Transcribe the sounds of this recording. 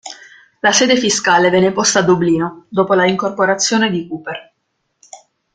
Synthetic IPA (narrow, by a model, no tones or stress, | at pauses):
lasɛːd̪efiskaːlevɛnːepost̪aːd̪ːobliːnod̪oːpolaiŋkorpoɾat̪sːjoːned̪ikuːper